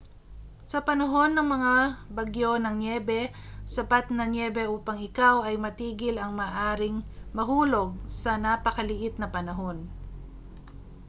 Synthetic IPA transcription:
sɐpɐnɐɦo̞nːɐŋmɐŋabɐɡjo̞nɐŋnjɛbɛsɐpat̪nɐnjɛːbɛʔuːpɐŋɪkawɐjmɐt̪iːɡɪlɐŋmɐːʔaːɾɪŋmɐɦuːloɡ̚sɐnapɐkɐlɪʔɪt̪̚nɐpɐnɐɦo̞n

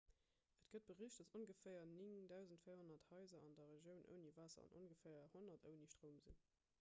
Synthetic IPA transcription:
ʔətɡ̥ət̚b̥əʁiːɕd̥ɑsonɡəfæːɪɐniŋdæʊzəntfijɐhonɐthɑɪzɐɑndɐʁeʒjəʊnʔə̰ʊniːvaːsɐ̰ɑ̰nʔo̰nɡəfæːɐhonɐtʰəʊniʃtʁoʊmzin

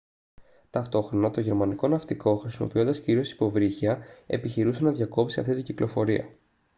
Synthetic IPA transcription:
t̪ɐft̪o̞xɾo̞nɐt̪oʝe̞ɾmɐniko̞nɐft̪iko̞xɾisimo̞̰pio̞nd̪ɐsciɾio̞si̥po̞vɾiçiɐe̞̰piçiɾusenɐðʝɐko̞psiɐ̰ft̪it̪iɟiklʔo̞fo̞ɾiɐ̰

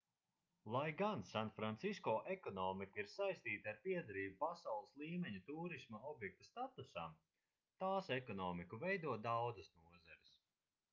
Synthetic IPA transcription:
lˠajɡansanfɾant̪siskɔːʔɛkɔnɔːmikaiɾsajst̪iːt̪aɾpiɛd̪aɾiːbupasawlˠɨslˠiːmɛɲut̪uːɾismaɔbjɛk̚t̪ust̪at̪usam | t̪aːsɛkɔnɔːmikuvɛjd̪uɔd̪awd̪zɨsnuɔzaɾis

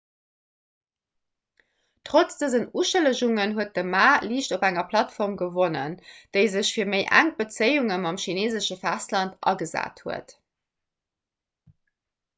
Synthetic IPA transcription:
tʁot͡sd̥əzənuːʃələʒuŋənɦuət̚dəmaːliːɕtobæŋɐpʰlɑtfɔʁmɡəvonə̰nd̥əɪzəɕfiːɐməɪʔæ̰ŋ̚b̥ət͡səɪuŋəmɑmʃineːzəʃəfæstlɑntʔɑ̰ɡəza̰ːthuə̰t

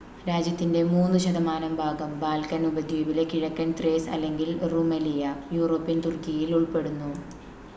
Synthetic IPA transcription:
ɾaːd͡ʑjɐt̪ːinde̞muːnːuɕɐd̪ɐmaːnɐmbʱaːɡɐmbaːlkɐnubɐd̪ʱjiːbilekiɻɐkːɐnt̪reːsɐ̰lːe̞ŋɡilrumɐlijɐjuːro̞ːpːint̪urkːijiluɭpe̞ɽunːu

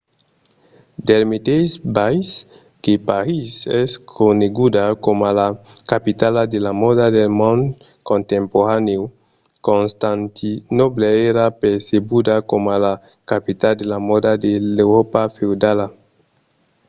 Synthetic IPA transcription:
d̪elmet̪esbajs | kepaɾisɛskʰoneɡud̪akomalakapit̪alad̪elamodad̪elmõnd̪ | kõnt̪ẽmpoɾaneo | kõnst̪ant̪ʰinobleeɾapeɾsebud̪akomala | kapit̪ald̪elamod̪ad̪elewɾopafewd̪ala

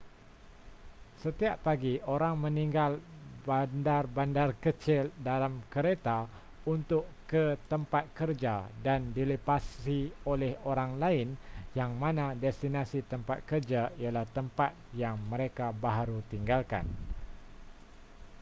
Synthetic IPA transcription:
sət̪iapːaɡioɾaŋmə̃niŋɡalbandarbandarkət͡ʃɪldalamkəɾet̪a | unt̪ʊʔkət̪əmpat̪̚kərd͡ʒadandiləpasiolɛhoɾaŋlaɪnjaŋmãnãdɛst̪inasit̪əmpa̰t̪̚kərd͡ʒaialaht̪əmpat̪̚jaŋmə̃ɾekabaɦaɾut̪iŋɡalka̰n

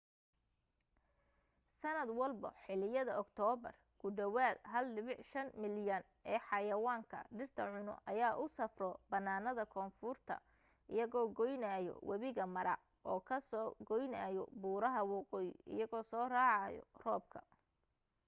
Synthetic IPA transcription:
sɐnɐd̪wɐlbɔ̰ħɪlɪjɐðɐɔkt̪ʰɔːbɐ̰r | kʰʊɖɐwaːd̪ɦɐlːɪβɪħʃɐnmɪljɐn | ʔɛːħɑjɐwaːŋkʰɐ̰ɖɪrt̪ʰɐʕʊnʊ̰ʔɐjaːʔʊsɐfrɔbɐnːaːnɐðɐkʰɔːnfʊrt̪ʰɐ̰ | ʔɪjɐɣɔːɡɔjnaːjɔ̰wʔɐβɪɣɐmɐɾɐ̰ | ʔɔːkʰɐsɔːɡɔjnaːjɔ̰buːɾɐɦɐwɑqɔːjɪʔɪ̰jɐɣɔːsɔːraːʕɑjɔ̰rɔːb̚kʰɐ̥̰

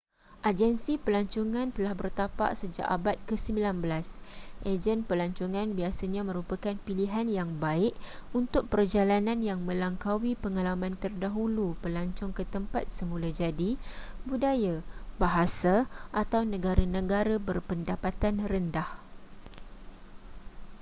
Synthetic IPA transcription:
ʔad͡ʒənsipəlaɲt͡ʃuŋãnt̪əlahbərt̪apa̰ʔsəd͡ʒa̰ʔabat̪̚kəsəmbilanbəlasʔed͡ʒənpəlaɲt͡ʃuŋãnbiasaɲãmə̃ɾupakanpiliɦanjaŋbaɪʔunt̪ʊk̚pərd͡ʒalanãnjaŋmə̃laŋkawipəŋalamãnt̪ərdaɦulupəlaɲt͡ʃʊŋkət̪əmpat̪̚səmũlad͡ʒadibudajabaɦasaʔat̪awnə̃ɡaɾanə̃ɡaɾabərpəndapat̪anrəndah

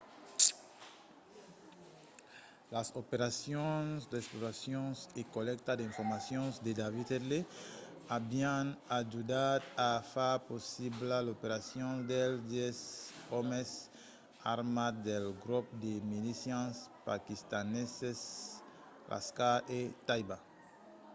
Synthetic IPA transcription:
lasopeɾasjõnsd̪esploɾasjõnsekolɛk̚t̪ad̪eiɱfoɾmasjõnsd̪ed̪avit̪ele | abianad͡ʒud̪at̪afaposiblalopeɾasjõnd̪eld̪esomes | aɾmad̪elɡɾup̚d̪emilisjanspakist̪aneses | rʔa̰skaʔet̪ajba

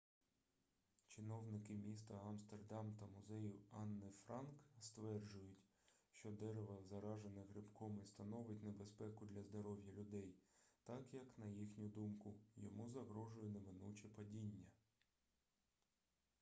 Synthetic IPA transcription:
t͡ʃɪnɔwnɪkɪmʲist̪ɐɐmst̪erd̪ɑmt̪ɐmʊzɛjiɑnːɪfɾɑnkst̪ʋɛrd͡ʒʊjʊtʲ | ʃt͡ʃɔd̪ɛɾeʋɐzɐɾɑʒenɪɣɾɪbkɔmɪst̪ɐnɔʋɪt̚ʲnebespɛkʊd̪lʲɐzd̪ɔɾɔwjɐlʲʊd̪ɛjt̪ɑkjɐknɐjixnʲʊd̪umkʊjɔmuzɐɦɾɔʒʊjʊneʋɪnut͡ʃʲɛpɐdʲinʲːɐ

